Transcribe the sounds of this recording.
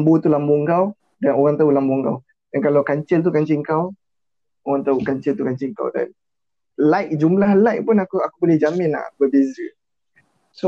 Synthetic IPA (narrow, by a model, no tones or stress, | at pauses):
mbot̪ulamboŋɡaw | danoɣaŋt̪aulamboŋɡa̰w | dankalawkaɲt͡ʃəlt̪̬ukaɲt͡ʃɪŋkaw | oɣaŋt̪aukaɲt͡ʃəlt̪ukaɲt͡ʃiŋka̰wda̰n | lajk̚d͡ʒumlahlajk̚pʊnakuakubolɛhd͡ʒamɪna̰bəbesə | so